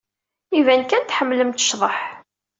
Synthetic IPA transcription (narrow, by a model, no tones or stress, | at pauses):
ivænkænt̪ħəmːləmt̪ə̥ʃðˤəħ